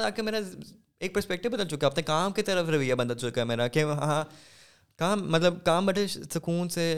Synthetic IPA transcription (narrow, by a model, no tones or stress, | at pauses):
aːkemeːɾa | eːk̚pɐɾspɛk̚ʈɪʋbɐd̪əlt͡ʃʊkːɛɐpnekaːmkit̪ɐɾəfɾɐʋijabɐnd̪əlt͡ʃʊkaɦɛmeːɾakeɦãː | kaːmːɐt̪ləbkaːmbɐʈʰesɐkuːnse